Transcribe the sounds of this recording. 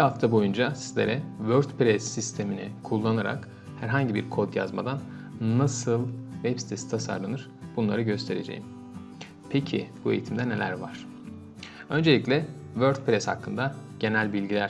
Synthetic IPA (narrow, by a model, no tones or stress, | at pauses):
bihaft̪ʰabo̞jund͡ʒasizlʲe̞ɾɛvøɾd̪pɾɛsːist̪ʰe̞minɪkʰulˠːanaɾa̰k | hæɾɦaɲɟibiɾkʰo̞d̪ja̰zma̰d̪anːasɯlˠvɛpsi̥t̪ʰe̞si̥t̪ʰasa̰ɾlˠanɯɾ̥ | b̥unlˠaɾɯɟø̞st̪ʰe̞ɾe̞d͡ʒḛjḭm | pʰecʰḭb̥ue̞jit̪ʰimd̪ɛne̞lʲæ̰ɾva̰ɾ̥ | ø̞nd͡ʒe̞lʲiclʲɛ | vøɾd̪̚pɾɛsha̰kʰːɯnd̪aɟ̥e̞nælʲbilʲɟilʲæɾ̥